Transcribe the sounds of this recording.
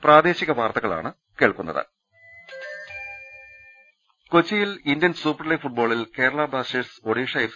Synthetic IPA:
prʔaːd̪e̞ːɕiɣɐʋaːrt̪ɐɣɐɭa̰ːɳɨ | keːɭkunːɐ̰ðɨ̰ | kot͡ɕːijilindjɐnsuːpɐrliɡfuʈ̚bo̞ːɭilke̞ːɾɐɭaːbɽaːseːɖsoɽiːʂɐj

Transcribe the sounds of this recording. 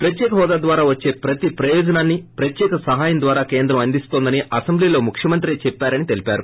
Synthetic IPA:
pɾɐt̪jɛːkɐɦɔːd̪aːd̪ʋaːɾaːʋɐt͡ʃːe̞ːpɾɐt̪ipɾɐjɔːd͡ʒɐnaːnːipɾɐt̪jɛːkɐsɐɦaːjɐnd̪ʋaːɾaːke̞ːnd̪ɾɐmɐnd̪ist̪oːnd̪ɐniʔɐsɐmbliloːmukʰʂjɐmɐnt̪ɾit͡ʃɛpːaːɾɐnit̪e̞lipaːɾu

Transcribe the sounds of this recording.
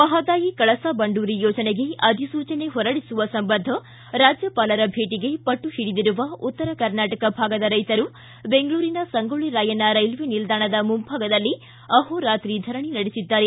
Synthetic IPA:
ʋɐɦɐd̪aːjikɐɭɐsabɐɳɖuːɾijoːd͡ʒɐneɡe̞ʔɐd̪ʱisuːt͡ʃɐne̞ɦɔɾɐɽisuʋɐsɐmbɐnd̪ʱɐ | ɾaːd͡ʒjɐpaːlɐɾɐbʱeːʈiɡe̞pɐʈːuhiɽid̪iɾuʋɐut̪ːɐɾɐkɐɾnaːʈɐkɐbʱaːɡɐd̪ɐɾɐjt̪ɐɾu | be̞ŋɡɐɭuːɾinɐsɐŋɡoɭiɾaːjɐnɐɾɐjlʋenild̪aːɳɐd̪ɐmumbʱaːɡɐd̪ɐlːi | ɐɦoɾaːt̪ɾid̪ʱɐɾɐɳinɐɽisid̪ːaːɾe

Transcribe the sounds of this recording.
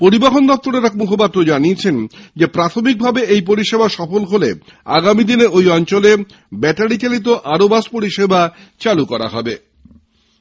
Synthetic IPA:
poɾibaɦond̪ɔp̚t̪oɾeɾɛkmukʰopat̪ːɾod͡ʑaniet͡ɕʰend͡ʑepɾat̪ʰomik̚bʱabeejp̬oɾiʃebaʃɔfolɦolḛ | a̰ɡamid̪ineojɔnt͡ɕole | bɛʈaɽit͡ɕalit̪̬oʔaɾobaspoɾiʃeba | t͡ɕalukɔɾa̰ɦɔ̰be

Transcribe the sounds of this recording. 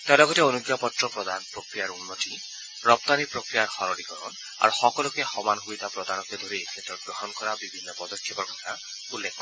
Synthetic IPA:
t̪alɔɡɔteonuɡjapɔtɾɔpɾɔd̪anpɾokɾijaɾunːɔʈi | ɾɔp̚t̪anipɾokɾijaɾhɔɾɔlikɔɾɔn | a̰ɾuxɔkɔlɔkehɔmanɦujt̪apɾɔd̪anɔked̪ʱoɾisetɔɡɾɔɦɔnkɔɾabibʱinːɔpɔd̪ɔkʰːjɔpɔɾkɔt̪ʰa | ulːekʰɔbɔ

